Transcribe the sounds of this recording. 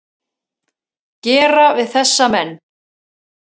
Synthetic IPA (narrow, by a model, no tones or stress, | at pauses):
cɛːɾavɪðθɛsːamɛnː